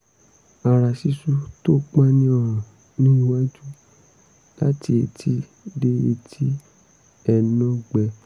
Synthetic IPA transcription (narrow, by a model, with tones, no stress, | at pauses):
a˨ɾa˨si˧˦su˦to˦k͡pã˦nĩ˧˦ɔ˧ɾ̃ɔ̃˨ | nĩ˦˧wa˦d͡ʒu˦ | la˦ti˧˦e˧tʰi˦ | de˦e˧tʰi˦ | ɛ˧˨nã˧˦ɡ͡bɛ˧